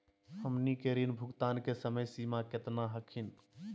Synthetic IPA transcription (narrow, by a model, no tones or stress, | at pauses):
həmnikeɾinbʱʊɡt̪ankesəməjsimaket̪naɦəkʰin